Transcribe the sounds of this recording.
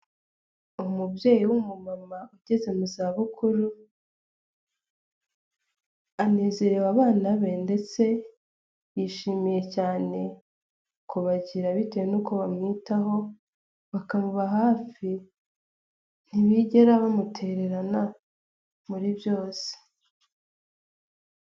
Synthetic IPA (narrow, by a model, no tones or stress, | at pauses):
umubje̞ːjiwumumamauɟ̥e̞ze̞muzaːβukʰuɾu | aneːzeɾewaβaːnaβende̞t͡se̞ | jiʃiːmije̞caːne̞ | kuβaɟiɾaβitejenukoβamŋiːtaɦo̞ | βakamuβaɦaːfi | n̥iβiɟe̞ɾaβamutʰe̞ɾe̞ɾana | muɾibjo̞ːse̥